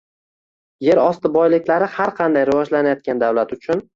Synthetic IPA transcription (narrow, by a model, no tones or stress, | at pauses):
je̞ɾɒst̪ɪbɒjlɪkʲlaɾɪhaɾqʰɑnd̪ajɾɪvɒd͡ʒlanajɒt̪̚kʲʰand̪awlat̪ʊt͡ʃʰʊn